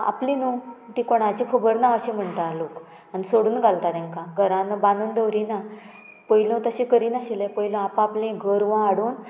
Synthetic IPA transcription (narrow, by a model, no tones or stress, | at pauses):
a̰plĩnut̪ikoɽ̃at͡ɕikʰəbəɾnaəɕẽm̤əɳʈ̪alok | anisoɽuːnɡʱalt̪at̪ẽŋkãɡʱəɾãnbanuːnd̪əʋɾina | pəilõt̪əɕẽkəɾiːnaɕilepəilõapãaplẽɡʱəɾʋãaɽuːn